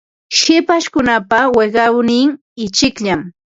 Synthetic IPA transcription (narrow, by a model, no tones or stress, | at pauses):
ʃɪpaʃkʊnapaweɢɑwnɪŋ | ɪt͡ʃɪkʎam